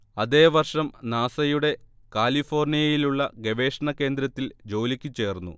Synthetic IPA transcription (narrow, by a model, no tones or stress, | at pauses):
ɐðe̞ːʋɐrʂɐmnaːsɐjuɽe̞ | kaːlifo̞ːrnijɐjiluɭːɐɡe̞ʋe̞ːʂɐɳɐkːe̞ːnd̪ɾɐt̪ːild͡ʑo̞ːlikʲːɨt͡ɕːe̞ːrnːṵ